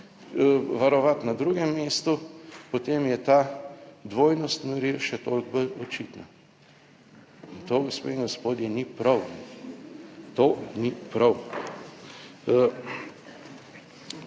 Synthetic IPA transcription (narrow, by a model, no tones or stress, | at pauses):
ʋaɾɔʋat̪nad̪ɾuɡɛmːeːst̪upot̪emjɛt̪ad̪ʋoːjnɔst̪nɔɾilʃɛt̪olɡ̚bəlɔt͡ʃit̪na | int̪oːɡospḛiŋɡɔspoːd̪jɛnipɾɐw | t̪onipɾɐw